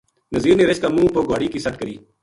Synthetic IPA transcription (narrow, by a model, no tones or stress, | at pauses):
nəziːɾneːɾet͡ʃkaːmũːpoːɡaːɽiːkiːsəʈ̪̚kəɾiː